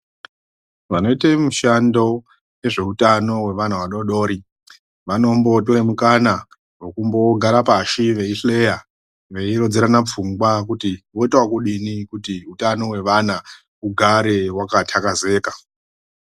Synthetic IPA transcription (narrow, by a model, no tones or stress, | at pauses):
ʋano̞itemuʃando̞ | je̞ʐe̞utano̞we̞ʋan̤awaɗo̞ɗo̞ːɾi | ʋano̞mbo̞toremukana | wo̞kumbo̞ɡʱaɾapaʃiʋe̞iɬle̞ja | ʋe̞iɾo̞d͡zeɾanap͡fuŋɡwakutiʋo̞itwakuɗinikutiɦutano̞we̞ʋana | uɡʱaɾe̞wakatʰakaze̞ːka